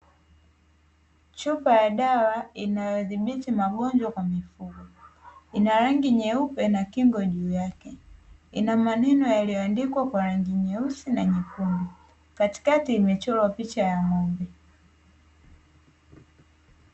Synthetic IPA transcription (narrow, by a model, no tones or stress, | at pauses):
t͡ʃupajaɗawainajɔðiɓitimaɠɔnd͡ʒwakwamifuɡɔinaɾaŋɡiɲɛupɛnakiŋɡɔʄuːjakɛinamanɛnɔjalijɔandikwakwaɾaŋɡiɲɛusinaɲipumbi | kati̥katiːmɛt͡ʃɔlwapit͡ʃajamɔmbɛ